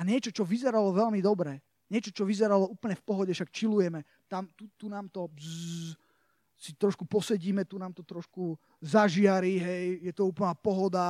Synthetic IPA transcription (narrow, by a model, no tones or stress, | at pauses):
aɲɪɛt͡ʃɔt͡ʃɔʋizɛɾalɔʋɛʎmid̪ɔbɾɛ | ɲɛt͡ʃɔt͡ʃɔʋizɛɾalɔuːpl̩ɲɛfpɔɦɔɟɛfʃakt͡ʃilujɛmɛ | t̪amt̪ut̪unaːmt̪ɔ | sit̪ɾɔʃkupɔsɛɟiːmɛt̪unaːmt̪ɔt̪ɾɔʃku | zaʒɪaɾiɦɛjjɛt̪ɔuːpl̩naːpɔɦɔd̪a